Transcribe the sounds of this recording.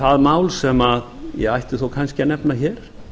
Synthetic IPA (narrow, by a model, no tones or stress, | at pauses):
θaðmaːwlsɛmaðjɛ̰ɣajht̪ʏθowkʰanscɪanɛpnaçɛːɾ̥